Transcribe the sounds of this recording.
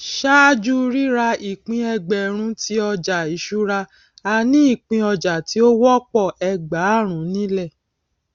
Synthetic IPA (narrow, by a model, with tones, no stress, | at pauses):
ʃa˦d͡ʒu˦ɾi˦ɾa˧i˨k͡pĩ˧˦ɛ˧ɡ͡bɛ˨ɾ̃ũ˦tʰi˦ɔ˧d͡ʒa˨i˨˦ʃu˦ɾa˧ | a˧nĩ˦i˦˨k͡pĩ˧˦ɔ˧d͡ʒa˨ti˨˦o˦wɔ˦k͡pɔ˦˨ɛ˧ɡ͡ba˨˦˨ɾ̃ũ˨˦nĩ˦lɛ˦˨